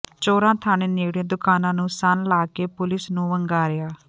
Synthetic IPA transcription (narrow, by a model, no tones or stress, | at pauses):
t͡ʃoːɾãːt̪ʰaːñẽːneːɽẽːd̪ʊkaːnãːnũːsənlaːkeːpʊlɪsnũːʋəŋɡaːɾɪjaː